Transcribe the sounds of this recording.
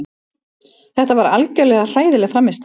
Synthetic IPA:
θɛht̪avaɾa̰lcœlɛɣar̥aːjðɪlɛɣfɾamːɪst̪

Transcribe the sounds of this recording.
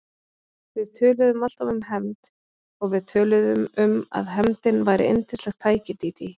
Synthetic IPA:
vɪðt̪ʰœːlʏðʏmal̥t̪avʏmɦɛmt̪ | ɔɣvɪðt̪ʰœːlʏðʏmʏma̰ðɦɛmt̪ɪnvajɾɪ̰ʔejnt̪ɪ̥slɛxt̪ʰaːjcɪt̪iːt̪i

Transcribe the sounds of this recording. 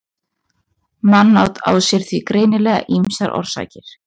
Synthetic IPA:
manːawt̪a̰ːwsjɛɾ̥θvikɾeːjnɪlɛːɣa̰ʔimsaɾʔɔ̰ɾ̥sa̰ːcɪɾ̥

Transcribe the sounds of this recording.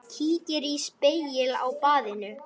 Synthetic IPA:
cʰiːcɪɾispejɪla̰wpaːðɪnʏ

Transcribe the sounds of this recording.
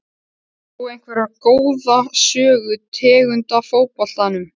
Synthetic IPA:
uejn̥kʰvɛɾakoːwðasœːɣʏt̪ʰɛːɣʏnt̪afoːwpɔl̥t̪anʏm

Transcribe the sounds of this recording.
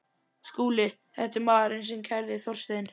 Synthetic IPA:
skuːlɪ | θɛht̪ɪɾmaːðɾɪnsɛmcʰajɾðɪθɔr̥st̪en

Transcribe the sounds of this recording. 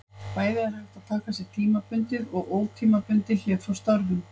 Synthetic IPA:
paːjðɪaɾ̥haft̪aðt̪ʰaːkasjɛɣt̪ʰiːmapʏnt̪ɪðɔɣoːwt̪ʰiːmapʏnt̪ɪlɛːfawst̪aɾvʏm

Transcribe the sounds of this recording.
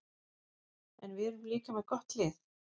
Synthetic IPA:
ɛnvɪðɛɾʏmliːkamɛðkɔht̪lɪːθ

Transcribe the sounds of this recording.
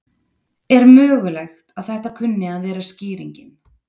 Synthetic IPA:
ɛɾmœːɣʏlɛxt̪aðθɛht̪akʰʏnːɪaðvɛːɾasciːɾiɲcɪn

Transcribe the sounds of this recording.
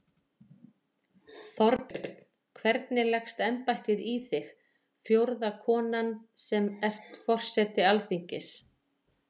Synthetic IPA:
θɔɾpɪɾt̪n | kʰvɛɾt̪nɪlɛxst̪ɛmpajht̪ɪðiθɪx | fjowɾðakʰɔːnansɛmɛr̥t̪fɔr̥sɛt̪ɪalfiɲcɪs

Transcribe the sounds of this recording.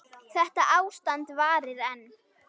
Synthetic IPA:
θɛht̪aʔaːwst̪ant̪vaːɾɪðɛnː

